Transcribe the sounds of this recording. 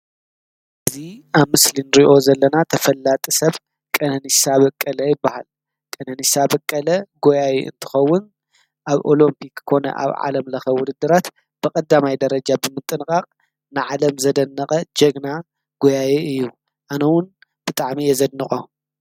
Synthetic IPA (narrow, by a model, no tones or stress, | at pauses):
ʔɨziaβmɨslinɾiʔo̞zɐlːɐnat̪ʰɐfɐlːat̪ʼisɐβ | kʼɐnɐnisaβɐkʼːɐlɐjɪbːaha̰l | kʼɐnɐnisabɐkʼːɐlɐɡo̞jajḛɨ̰nt̪ʰɨ̥xɐwːʊn | ʔaβʔo̞lompʰikːkʰo̞nɐ̰ʔa̰βʕa̰lɐmlɐxɐwʊd̪ɨd̪ːɨɾat̪ | b̥ɨkʼɐd̪ːamajd̪ɐɾɐd͡ʒabɨmɨt̪ʼɨnkʼaqʼ | nɨʕalɐmzɐd̪ɐnːɐχʼɐd͡ʒɐɡna | ɡ̥o̞jajeɨjːu | ʔanɐwʊn | b̥ɨt̪ʼaʕmijɛzɐd̪nɨχʼo